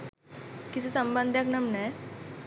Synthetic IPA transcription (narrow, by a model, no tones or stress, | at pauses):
kisesəmbãnd̪ʱjaknəmnaj